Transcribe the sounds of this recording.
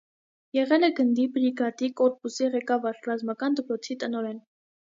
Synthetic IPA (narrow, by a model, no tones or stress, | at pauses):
jɛʁɛlɛɡənd̪ibɾiɡɑt̪ikɔɾpusiʁɛkɑvɑɾrɑzmɑkɑnd̪əpɾɔt͡sʰit̪ənɔɾɛn